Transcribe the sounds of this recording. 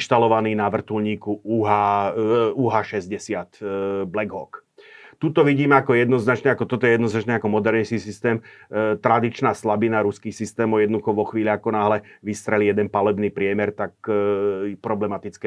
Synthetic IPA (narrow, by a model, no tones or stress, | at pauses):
ʃt̪alɔʋaniːnaʋr̩t̪ulɲiːkuuɦa | uɦaʃɛzɟɛsɪat̪blɛɡɦɔk | t̪ut̪ɔʋiɟiːmɛakɔjɛd̪nɔznat͡ʃɲɛakɔt̪ɔt̪ɔɛjɛd̪nɔznat͡ʃɲɛakɔmɔd̪ɛɾɲiskisist̪ɛːmt̪ɾad̪it͡ʃnaːslabinaɾuskiːxsist̪ɛːmɔjɛd̪nd̪uxɔʋɔxʋiːʎaakɔnaːɦlɛʋist̪ɾɛlijɛd̪ɛnpalɛbniːpɾɪɛmɛɾt̪ak | pɾɔblɛmat̪it͡skɛ